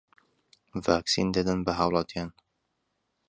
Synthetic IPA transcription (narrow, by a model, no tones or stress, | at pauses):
vaːksḭnd̪ɐd̪ɐnbɐɦɑwlˠɑt̪ijaːn